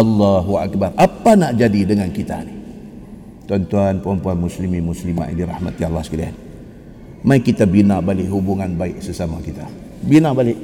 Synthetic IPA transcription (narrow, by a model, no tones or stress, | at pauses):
ɑlːaɦuʔa̰k̚barapanaʔd͡ʒadidəŋankit̪a̰ni | t̪uant̪uanpəɾɔmpuanmuslimimuslima̰ʔḭniɾa̰hma̰t̪jalahsə̥kalia̰n | maikit̪abinabalɪʔɦubuŋanbaɪʔsəsamakit̪a | binabalɪʔ